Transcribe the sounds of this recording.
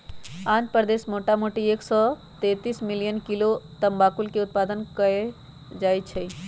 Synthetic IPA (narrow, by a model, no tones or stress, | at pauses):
ãːnpəɾd̪eːsmoːʈamoːʈieːksɔ | t̪eːt̪iːsmɪlijənkilot̪ɐmbaːkulkeʊt̪̚paːd̪ənkəe | d͡ʒaːjt͡ʃʰəi